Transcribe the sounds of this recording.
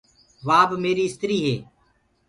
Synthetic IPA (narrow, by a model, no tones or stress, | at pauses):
ʋaːbmeːɾiːɪst̪ɾiːɦeː